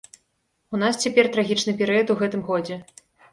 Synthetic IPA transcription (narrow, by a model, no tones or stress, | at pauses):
unast͡sʲɛpʲɛrt̪ɾaɣʲit͡ʂnɨpʲɛɾɨjɐt̪uɣɛt̪ɨmɣɔd͡zʲɛ